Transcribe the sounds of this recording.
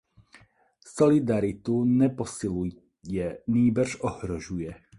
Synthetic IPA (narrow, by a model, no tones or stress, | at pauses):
sɔlid̪aɾit̪uɲɛpɔsilu | ɛniːbr̩ʒɔhɾɔʒujɛ